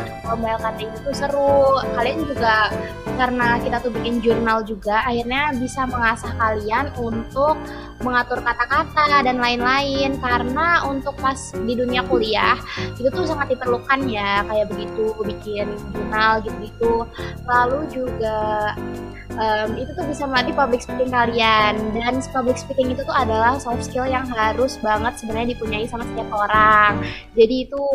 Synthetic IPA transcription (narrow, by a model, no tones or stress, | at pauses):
amaɛlkat̪ait̪ut̪usəɾʊkaliand͡ʒuɡa | kaɾənakit̪at̪ubikɪnd͡ʒurnald͡ʒuɡaʔːhirɲabisaməŋasahkalianunt̪ʊk̚ | məŋat̪ʊrkat̪akat̪adanlaɪnlaɪnkaɾənaunt̪ʊk̚pasdiduniakuliahit̪ut̪us̬aŋat̪̚dipərlukanjakajaʔbəɡit̪ubikɪnbunalɡit̪̚uɡit̪ulalud͡ʒuɡa | əmit̪ut̪ʊhbisaməlant̪ipablɪk̚sə̥pik̪ɪŋkaliandanspablɪksə̥pik̪ɪŋit̪ut̪uadalahsɔfstɪljaŋɦaɾʊsbaŋət̪̚səbənarɲadipuɲaisamat̪sət̪iapoɾaŋ | d͡ʒadiːt̪u